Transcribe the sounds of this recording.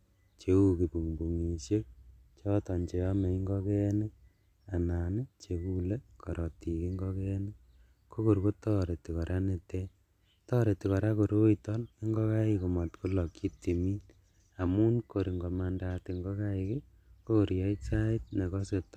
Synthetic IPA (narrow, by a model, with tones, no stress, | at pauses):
t͡ʃe˨u˨ki˨bu˨ŋbu˨ŋi˨ʃje˦k̚t͡ʃɔ˦tɔ˨nt͡ʃe˨ɔ˦me˨i˦ŋɡɔ˦kɛ˦ne˦ | a˨na˨ne˦t͡ʃe˨ku˦le˦kʰɔ˨ɾʔɔ˨ti˨ki˦ŋɡɔ˦kɛ˦nɪ˦ | ko˦ko˨ɾko˦tɔ˦ɾe˨ti˨kɔ˨ɾʔa˦ne˨te˦ | tɔ˦ɾe˨ti˨kɔ˨ɾa˦ko˨ɾo˦itɔ˦ni˦ŋɡɔ˦ka˦iko˨mɔ˨tku˦lɔ˨ki˦ti˨mi˦n | a˨mu˦nko˨ɾi˨ŋɡɔ˨ma˨ndate˨ŋɡɔ˦ka˦ɪke˦ | ko˦ko˨ɾjɔ˦i˦sa˦ɪ˦t̚ne˨kɔ˦se˨t